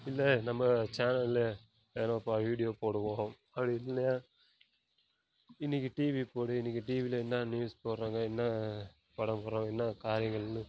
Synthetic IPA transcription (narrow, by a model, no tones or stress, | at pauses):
ɪlːɐnɐmːɐt͡ʃaːnɐlle | enɐ̃ɐpːɐʋiːɽɪjoːpoːɽɯʋõː | ɐpːɐɽiɪlːlɐjaː | ɪnːɪk̬ʲːiʈiːʋipoːɽɯɪnːɪk̬ʲːɯʈiːʋilɐɛnːaːnjuːspoːɽɾaːŋɡɐɛnːɐ | pɐɽɐmpɔːɾãːŋɐɛnːɐkaːɾɪjɐŋɡɐɭnːɯ